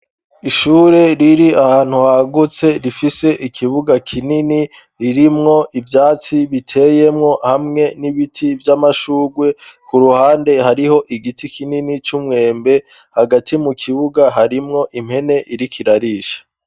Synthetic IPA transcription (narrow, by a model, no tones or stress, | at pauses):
iʃuːɾe̞ɾiɾiahaːn̥huhaɡut͡se̞ɾifise̞ʔikʰiβuɡakʰinini | ɾiɾimŋo̞ʔivjaːt͡siβitʰe̞je̞mŋo̞hamŋe̞niβitʰivjamaʃuːɡwe̞kuɾuhaːnde̞haɾiho̞ʔiɡitikʰininit͡ʃumŋe̞ːmbe̞ | haɡatʰimukʰiβuɡaɦaɾimŋo̞ʔimhe̞ne̞ʔiɾikʰiɾaɾiʃḁ